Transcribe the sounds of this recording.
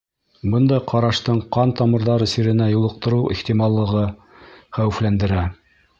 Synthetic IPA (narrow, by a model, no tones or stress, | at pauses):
bɤnd̪ɑjqɑɾɑʃt̪ɤɴqɑnt̪ɑmɤ̆ɾðɑɾɤsiɾɘ̆næjulˠɤ̆q̚t̪ɤ̆ɾɤwʔiχt̪imɑlˠːɤ̆ʁɤ | χæwɘ̆flænd̪ɘ̆ɾæ